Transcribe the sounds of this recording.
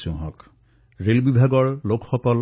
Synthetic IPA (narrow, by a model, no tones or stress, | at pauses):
sũɦɔ̰k | ɹelbibʱaɡɔɹlokʰxɔkɔl